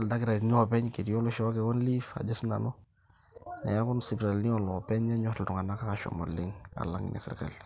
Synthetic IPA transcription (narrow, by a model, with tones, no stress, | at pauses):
lda˦kɪ˦ɾa˨dni˦ɔ˨pɛ˦ɲke˨di˨jɔ˦lʊ˦ʃɔ˦kɛ˨wɔ˦nli˦fa̰˨d͡ʒa˦sna̰˨nɔ˦ | nɛ˨ja˦kʊ˦nsi˨bɾa˨lni˦ɔ˨nlɔ˨pɛ˦ɲɛ˦ɲɔ˦˨ltʊ˨ŋa˨na˦ka˦ka˨ʃɔ̰mɔ̰lɪ˦ŋa̰˨la̰˦ŋ̰nɛ̰˨sɪ̰˨ɾka̰˨l